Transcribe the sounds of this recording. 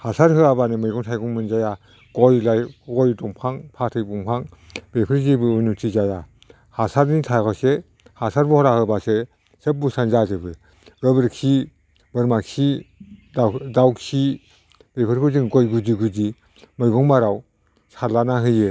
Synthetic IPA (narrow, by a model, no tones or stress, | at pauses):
hasaɾɦɯabanɯmɯjɡɔŋtʰajɡɔŋmɯnzaja | ɡ̥ɔjlajɡɔjdɔŋpʰaŋpʰatʰɯjbuŋpʰaŋ | bepʰɯɾzibɯɯnutʰizaja | hasaɾnitʰakɔse | hasaɾbuhɔɾahɯbase | sep̚busanzazɯbɯ | ɡɯbɯɾkʰi | bɯɾmaksidadawksi | bepʰɯɾkʰɯzɯŋɡɔjɡudiɡudi | mɯjɡɔŋmaɾaw | sʰalanaɦɯjɯ